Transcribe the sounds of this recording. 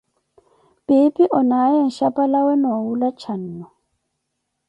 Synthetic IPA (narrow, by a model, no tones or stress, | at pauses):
pʼɪpʼiʔɔnajɛn̩ʃapʼalawɛnɔwulat͡ʃʰan̩ːɔ